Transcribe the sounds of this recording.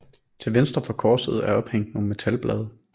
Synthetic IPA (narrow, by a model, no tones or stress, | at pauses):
t͡sʰe̝lʋensd̥ʁɐfɒ̽kʰɒːsəð̞̩ˠæɐɒ̽b̥heŋ̰d̥mome̝t͡sʰælb̥lɛ̰ːð̞ˠə